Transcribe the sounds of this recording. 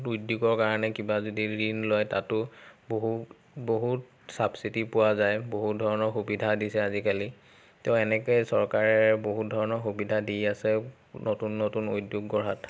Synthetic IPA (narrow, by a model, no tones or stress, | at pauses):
tujdjuɡɔɹkaɹɔnɛkibazodiɹinlɔjta̰tʊboɦu | boɦut | sabsitipʊwazajboɦut̚dʱɔɹɔnɔɹxubidʱadisɛazikali | teʊɛnɛkɔjsɔɹkaɹɛboɦut̚dʱɔɹɔnɔɹxubidʱadijasɛ | notunːotunojdjuɡɡɔɹɦat